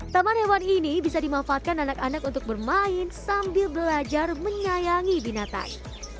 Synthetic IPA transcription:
t̪amanhewaninibisadimafaːt̪̚kananakanakunt̪ʊk̚bərmaɪnsambɪlbəlad͡ʒarməɲajaŋibinat̪a̰n

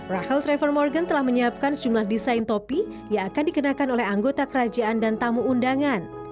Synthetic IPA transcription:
rahəlt̪ɾefərmɔrɡant̪əlahməɲəap̚kansə̥d͡ʒumlahdisajnt̪opi | jaːkandikənakanolɛɦaŋɡot̪akəɾad͡ʒaʔandant̪amuːndaŋan

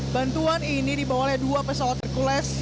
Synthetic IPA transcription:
bant̪uaninidibawaladuapəsawat̪ːərkulɛs

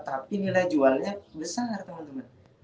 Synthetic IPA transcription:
t̪apinilajd͡ʒualɲabəsart̪əmənt̪əmən

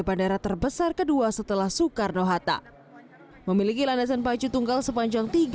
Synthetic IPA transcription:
bandaɾat̪ərbəsarkəduasət̪əlahsukarnoɦat̪a̰ | məmilikilandas̬anpat͡ʃut̪uŋɡalsəpaɲd͡ʒaŋt̪iɡ

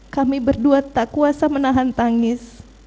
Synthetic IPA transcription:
kamibərduat̪ːakuasamənaɦant̪aŋɪs

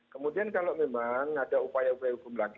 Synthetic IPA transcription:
kəmũdiankalamemaŋadaupajaupajahukʊmlaɡ

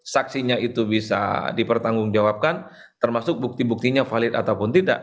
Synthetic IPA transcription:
saksiɲait̪ubisa̰dipərt̪aŋɡʊŋd͡ʒawap̚kan | t̪ərmasʊk̚buk̚t̪ibuk̚t̪iɲafalɪt̪at̪awpʊnt̪ida̰ʔ

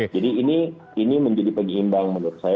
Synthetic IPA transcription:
d͡ʒadiːni | iniməɲd͡ʒadipəŋimbaŋmənʊt̪̚saj

